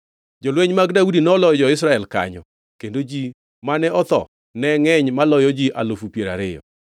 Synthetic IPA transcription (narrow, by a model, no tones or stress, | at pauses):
d͡ʒolweɲmaɡdaudinɔlɔd͡ʒɔɪs̬ɾaɛlka̰ɲɔ̰ | kendod͡ʒi | manɛɔt̪ɔ̰ | nɛŋɛɲmalɔjɔd͡ʒiʔa̰lofupjeɾa̰ɾɪjɔ̰